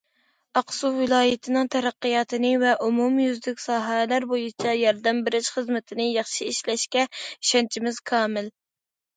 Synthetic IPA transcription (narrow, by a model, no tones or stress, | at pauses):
ɑqsuwɪlˠɑːjɪt̪ʰɪnɨŋt̪ʰɛɾæqːɨjɑːt̪ʰɨnɨvɛʔumumjyzd̪ɪkʲsɑːɦɛlæɾbojit͡ʃʰɛjɑɾd̪ɛmbɪɾɪʃχəzmɪt̪ʰɪnɨjɑχʃiiʃlɛʃkʲɛʃɛnt͡ʃʰimɪz̥kʰɑːmɪl